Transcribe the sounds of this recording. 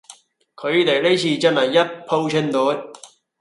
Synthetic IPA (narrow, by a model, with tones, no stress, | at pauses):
kʰɵ˨˧ɥt̪e˨jle˥t͡ɕʰiː˧t͡sɐ˥nhɐ˨˩jːɐ˥t̚pʰo˧wt͡ʃʰɪ˧˥nt̪oː˨˥j